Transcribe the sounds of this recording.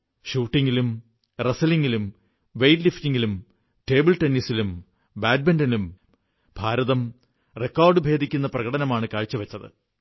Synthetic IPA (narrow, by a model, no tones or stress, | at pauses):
ɕuːʈːiŋɡilum | rɐsɐliŋɡilum | ʋejtliftiŋɡilum | ʈe̞ːbɨlʈenːisilum | baːd̚bendɐnum | b̥ʱaːɾɐðɐm | rekːaːrɖɨbʱe̞ːd̪ʱikʲːunːɐprɐɣɐɽɐnɐmaːɳɨkaːɻt͡ɕːuʋɐt͡ɕːɐðɨ̰